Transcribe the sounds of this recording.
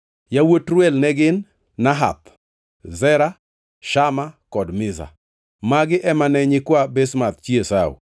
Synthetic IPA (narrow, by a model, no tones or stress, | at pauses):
jawotɾwɛlnɛɡɪnː | aɦa̰p | zɛɾa | ʃamakɔdmɪza̰ | maɡɪʔɛmanɛɲɪkwabesmat̪̚t͡ʃiesawṵ